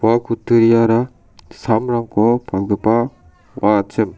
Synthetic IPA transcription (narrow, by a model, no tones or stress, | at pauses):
akʰut̪ːɯɾijaɾa | samɾaŋkʰɔpʰakɡɯpa | wat͡ʃɯm